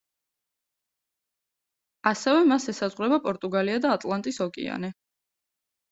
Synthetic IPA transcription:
asɛvɛmasɛsazʁwɾɛbapʼɔɾt̪ʼuɡaliad̪aːt̪ʼlˠant̪ʼisɔkʼḭa̰nɛ

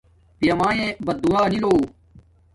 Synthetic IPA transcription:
pijɐmaːjẽːbɐd̪̚d̪uaːniloː

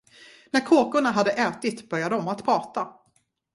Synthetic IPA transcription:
næɾkʰoːkʊɳaɦad̪ːəʔɛːt̪ɪt̪bœɾjad̪əɔmat̪pʰɾɑːt̪a

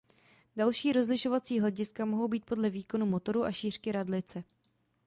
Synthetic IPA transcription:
dalʃiːɾo̞zlɪʃo̞vat͡siːɦlɛɟɪskamo̞ɦo̞wbiːt̪̚po̞dlɛviːko̞numo̞t̪o̞ɾuʔaʃiːr̝̥kɪɾadlɪt͡sɛ

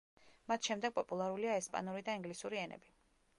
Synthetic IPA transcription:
mat̪ʰʃɛmd̪ɛɡ̥̚pʼɔpʼulˠaɾuliaɛspʼa̰nuɾid̪aiŋɡlisuɾiɛnɛ̰bi

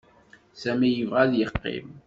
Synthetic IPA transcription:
sæmijəvʁæðjəqːḛm

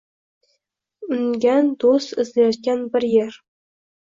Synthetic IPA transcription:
ʉŋɡʲænd̪osɘ̆zlʲeʃ̚kʲænbɘ̆rjerʲ

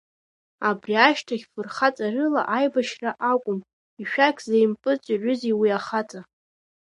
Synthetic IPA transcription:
abriaʃtʰaχʲfɨrχat͡sʼarɨla̰ʔajbaʃraʔakʷʼʊm | iʃᶣakʲʰzejmpʼɨt͡sʼiʕʷʏziwiaχat͡sʼa

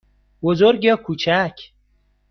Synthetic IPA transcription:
bozoɾɡɒkʰuːt͡ʃʰæcʰ

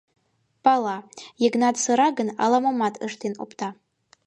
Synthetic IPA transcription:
pɑlˠɑjeɡnɑt̪səɾɑɡənɑ̰lˠɑmomɑt̪ʰəʃt̪eno̰pt̪ɑ

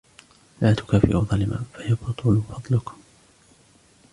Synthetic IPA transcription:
laːt̪ʊ̥kaːfɪ̰ʔuðˤɑlɪma̰ːfajabɑt̪ˤʊlfɑd̪ˤlʊk

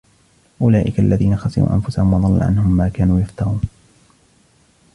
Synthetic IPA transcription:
ʔʊlaːʔɪkaʔalːaðiːnaxasɪ̰ɾṵːʔa̰nfʊsahʊmwɑd̪ˤɑlːa̰ʕa̰nhʊmːaːkaːnuːjaft̪ɑɾuːn

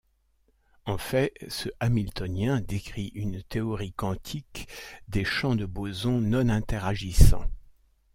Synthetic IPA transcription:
ɑ̃fɛsəʔamilt̪ɔnjɛ̃d̪ekχiʔynt̪eɔʁikɑ̃t̪ʰikd̪eʃɑ̃d̪əbozɔ̃nɔ̃nɛ̃t̪ɛʁaʒisɑ̰̃

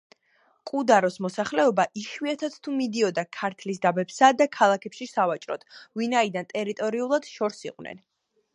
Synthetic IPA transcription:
qʼud̪aɾɔsmɔsaχlɛɔbaʔiʃwiat̪ʰat̪st̪ʰumid̪iɔd̪akʰaɾt̪ʰlisd̪abɛpsad̪akʰalˠakʰɛpʃisavat͡ʃʼɾɔ̰t̪ʰvinaid̪ant̪ʼɛɾit̪ʼɔɾiulˠad̪̥ʃɔɾsḭqʼwnɛ̰n

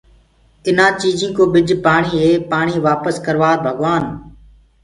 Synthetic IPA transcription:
ɪnãːt͡ʃiːd͡ʒĩːkoːɓɪd͡ʒʱpaːɳ̃iːɦeːpaːɳ̃iːʋaːpəskəɾʋaːɾbʱəɡʋaːn

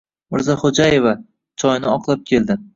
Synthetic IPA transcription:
mɪɾzaχod͡ʒaje̞va | t͡ʃʰɒjnɪɒqʰlˠap̚kʲʰe̞ld̪ɪ

